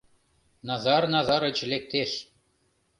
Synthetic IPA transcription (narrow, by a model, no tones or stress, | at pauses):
nɑzɑɾnɑzɑɾɤt͡ɕ̆lek̚t̪eʃ